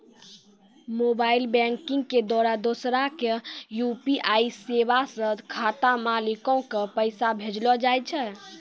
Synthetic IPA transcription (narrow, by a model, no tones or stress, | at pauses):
mobailbɛŋkiŋɡked̪waɾad̪osɾakejupiʔaiseβasə̃kʰat̪amalikɔ̃kepəjsabʱed͡ʒlɔd͡ʒajt͡ʃʰɛ